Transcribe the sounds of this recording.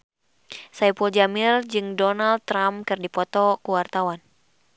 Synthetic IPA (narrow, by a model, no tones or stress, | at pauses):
saipuld͡ʒamird͡ʒɨŋdɔnald̪̚ɾamkɨrdipɔt̪ɔkuwart̪awan